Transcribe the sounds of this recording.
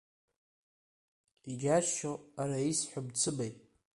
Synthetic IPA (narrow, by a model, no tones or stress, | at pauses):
iɡʲaʃʃoaɾaisħʷʊbt͡sʰɨbajtʼ